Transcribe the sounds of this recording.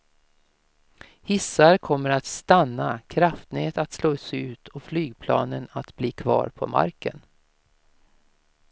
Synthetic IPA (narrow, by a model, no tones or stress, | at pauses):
hɪsaɾkʰɔmːəɾat̪st̪anːakʰɾaft̪neːt̪at̪sloːsɛʉ̟ːt̪ʰɔflyːɡ̚pʰlɑ̰ːnənat̪bliːkʰvɑ̰ːɾpʰɔ̰ma̰ɾkən